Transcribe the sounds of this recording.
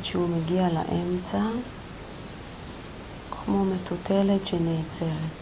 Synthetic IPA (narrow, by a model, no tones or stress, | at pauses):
ʃeumeɡiala̰ʔemt͡sa | kʰmo̞me̞tutʰeletʃeneːt͡seʁ